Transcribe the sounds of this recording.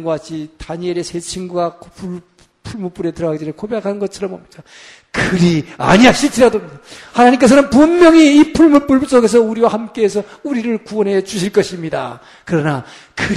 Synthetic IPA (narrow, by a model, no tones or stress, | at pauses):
ŋɡoat͡ɕʰitaɲieɾesʰe̞t͡ɕʰinɡuɡakopu | pʰuɭmup͈uɾe̞tɯɾʌɡaɡed͡ʑenɯkʰobjakʰannɡʌt͡ɕʰʌɾʌmo̰mɲid͡ʑa | kɯɾia̰ɲiaɕ͈ʰit͡ɕʰiɾadoamɲidahanaɲimk̬͈e̞s̬ʰʌnɯnpumjʌŋiːpʰuɭmup͈uɭs͈oɡe̞s̬ʰʌuɾiwahamk͈e̞ːsʰʌ | uɾiɾɯɭkuwʌnɦe̞t͡ɕuɕ̬ʰiɭk͈ʌɕʰimɲida̰ | kɯɾʌna | kɯ